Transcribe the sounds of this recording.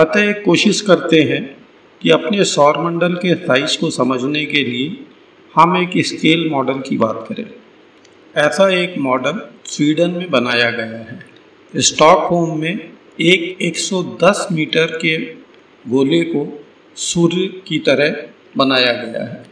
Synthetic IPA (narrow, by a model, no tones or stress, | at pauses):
pɐt̪ajekːoːʃɪʃkɐɾt̪eɦɛ̃ | kiɐpnesɔːɾmɐ̃ɳɖəlkesaːɪt͡ʃkosɐməd͡ʒʱnekelie | hɐmeːkɪskeːlmɔːɖəlkibaːt̪kɐɾḛ̃ː | ɛːsaeːkmɔːɖəlswiːɖənmẽbɐnaːjaɡɐjaɦɛː | ɪsʈɔːkhoːmːẽ | eːkeːksɔd̪ɐsmiːʈəɾke | ɡoːleko | suːɾkit̪ɐɾəɦ | bɐnaːjaɡɐja̰ɦɛː